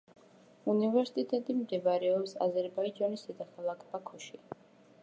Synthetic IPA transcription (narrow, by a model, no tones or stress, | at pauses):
univɛɾsi̥t̪ʼit̪ʼɛt̪ʼimd̪ɛbɾɛɔpsa̰zɛɾbaid͡ʒanisd̪ɛd̪akʰalˠakʰbakʰɔʃi